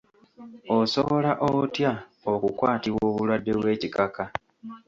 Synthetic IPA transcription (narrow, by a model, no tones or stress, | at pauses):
oso̞βo̞laʔotjaokukwaːtiβwoːβulwadːe̞βwe̞ːcikaka